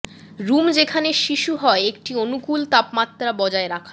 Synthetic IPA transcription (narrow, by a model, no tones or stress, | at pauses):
ɾumd͡ʑekʰaneʃiʃuɦɔeek̚ʈionukult̪apmat̪ːɾabɔd͡ʑaeɾakʰa